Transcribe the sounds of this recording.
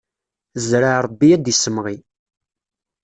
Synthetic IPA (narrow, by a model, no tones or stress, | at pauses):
zɾaʕɾˤəbːiæd̪isəmʁi